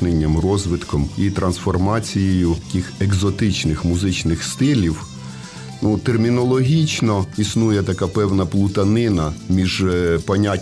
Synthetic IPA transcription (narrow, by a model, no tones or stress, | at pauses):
nenʲːɐmrɔzʋɪt̪kɔmit̪ɾɐnsfɔrmɑt͡sʲijejʊɐkʲixeɡzɔt̪ɪt͡ʃnɪxmʊzɪt͡ʃnɪxst̪ɪlʲiw | nut̪ermʲinɔlˠɔɦʲit͡ʃnɔisnujɛt̪ɐkapɛwnɐplˠʊt̪ɐnɪnɐmʲiʒpɔnʲa